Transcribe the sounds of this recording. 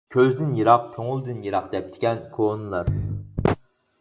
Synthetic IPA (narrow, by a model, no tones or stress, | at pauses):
kʲʰøzd̪ɪnjeɾɑq̚kʲʰoŋʊlˠd̪ɨnjeɾɑqd̪ɛp̚d̪̥ʰɪ̥ɡʲɛnkʰonɨlˠɑɾ